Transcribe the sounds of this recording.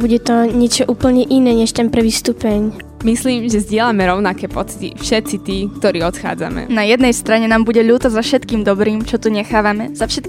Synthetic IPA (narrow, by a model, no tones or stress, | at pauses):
buɟɛt̪ɔɲɪɛt͡ʃɔʔuːpl̩ɲɛʔinɛːɲɛʃt̪ɛnpɾɛʋist̪uːpɛɲ | misliːmʒɛzɟɪɛlamɛɾɔʊnakɛːpɔt͡si̥t̪ḭfʃɛt̪sit̪iːk̚t̪ɔɾiːɔt̪xa̰ːd͡za̰mɛ̰najɛd̪nɛjst̪ɾaɲɛnaːmbuɟɛʎuːt̪azafʃɛt̪kiːmd̪ɔbɾiːmt͡ʃɔt̪uɲɛxaːʋamɛz̥afʃɛt̪k